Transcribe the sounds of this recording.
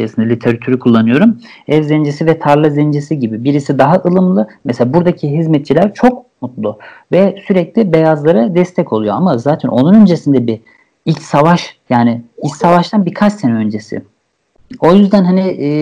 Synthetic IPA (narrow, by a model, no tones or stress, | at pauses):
jesɯnd̪alʲit̪ʰeɾat̪ʰyɾikʰulˠːanɯjo̞ɾum | ɛvzɛnd͡ʒesivɛt̪ʰaɾlˠazɛnd͡ʒesiɟibibiɾisid̪aɦaʔɯlˠɯmlˠɯmɛseabuɾd̪acʰiɦizmɛt̪̚t͡ʃʰilʲæɾt͡ʃʰo̞k̚mut̪lˠuvɛsyɾɛclʲibe̞jazlˠaɾad̪ɛst̪ʰɛcʰo̞lˠujo̞amazaːt̪ʰɛnʔo̞nunø̞nd͡ʒe̞sind̪ɛbi | ilʲcsavaʃjaːnɪilʲcsavaʃt̪ʰanbikʰat͡ʃsenɛø̞nd͡ʒe̞sɪ̰ | o̞jyzd̪ænɦanɪː